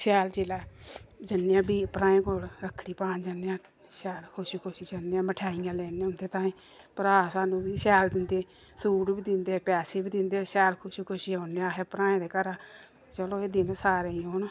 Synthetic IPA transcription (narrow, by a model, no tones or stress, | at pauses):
sɛːlt͡ʃelaːd͡ʒənːejãːbiːpɾãːẽːkoːlɾəkʰːɽiːpaːnd͡ʒənːjãː | sɛːlkʰʊʃikʰʊʃiːd͡ʒəneãːməʈʰaːijãːlɛːneãːʊnd̪eːt̪ãːĩː | pəɾaːsaːnũːbiːsɛːld̪ɪnd̪eː | suːʈbiːd̪ɪnd̪eːpɛːseːbiːd̪ɪnd̪eːsɛːlkʰʊʃiːkʰʊʃiːoːneãːɦeːpəɾãːẽːd̪eːkəɾaː | t͡ʃəloːeːd̪ɪnsaːɾeːiɦoːn